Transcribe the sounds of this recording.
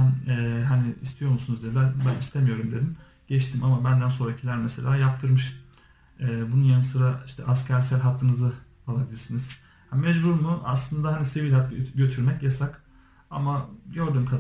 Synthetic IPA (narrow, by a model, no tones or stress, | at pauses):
ænɛːɦaniḭst̪ʰijo̞ɾmusunuzd̪ed̪ænbɛist̪ʰe̞mijo̞ɾumd̪e̞d̪im | ɟ̥ɛt͡ʃt̪ʰimamabænd̪ænso̞nɾacʰilʲæɾmɛse̞lʲaːjap̚t̪ʰɯɾmɯʃ | ɛːbununjanɯsɯɾaiʃt̪ʰɛ̰ʔascʰæɾsælʲɦat̪lːˠɯnɯzɯ | alˠabilʲiɾsiniz̥ | hmɛd͡ʒbuɾmuʔa̰slˠɯnd̪ahanisivilʲhat̪ɟø̞t̪ʰyɾmɛcjasak | a̰maɟø̞ɾd̪ymkʰa